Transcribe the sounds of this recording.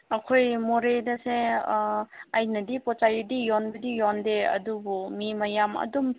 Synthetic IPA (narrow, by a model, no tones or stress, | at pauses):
ɐkʰojmoɾedɐse | ɐjnɐdipɔt͡ʃajudijɔnbɐdijɔndeɐ̰dubumimɐjamɐ̰dum